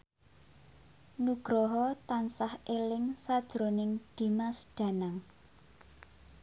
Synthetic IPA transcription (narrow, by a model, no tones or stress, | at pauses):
nuɡ̥ɾɔɦɔt̪ansahelɪŋsad̥ʒ̥ɾo̤nɪŋd̪̥i̤masɖ̪̥ä̤naŋ